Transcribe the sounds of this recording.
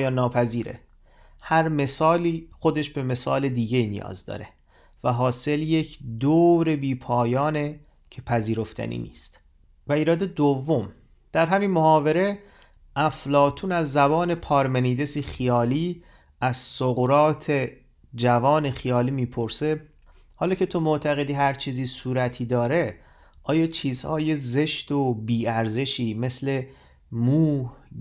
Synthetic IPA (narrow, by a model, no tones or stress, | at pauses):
jɒːnːɒːpʰæziːɾḛ | hæɾme̞sɒːliːxo̞d̪e̞ʃbe̞me̞sɒ̰ːle̞d̪iːɟe̞inḭjɒ̰ːzd̪ɒ̰ːɾe̞ | væɦɒːse̞ljecʰd̪oːɾe̞biːpʰɒːjɒːne | cʰe̞pʰæziːɾo̞ft̪ʰæ̰nʔḭnḭːst̪ | væiːɾɒːd̪e̞d̪ovːo̞m | d̪̥æɾɦæmiːnmohɒːve̞ɾe̞ | ʔæflɒːt̪ʰuːnæzːæbɒːne̞pʰɒːɾmeniːd̪e̞siːxijɒːliː | æzsoɣɾɒːt̪ʰe̞ | d͡ʒævɒːne̞xijɒːliːmiːpʰo̞ɾse̞ | hɒːlɒːcʰe̞t̪ʰo̞moʔt̪ʰæɣe̞d̪iːɦæɾt͡ʃʰiːziːsuːɾæt̪ʰiːd̪ɒːɾe̞ | ʔɒːjɒːt͡ʃʰiːzhɒːjeze̞ʃt̪obiːæɾze̞ʃiːme̞sle̞ | muːh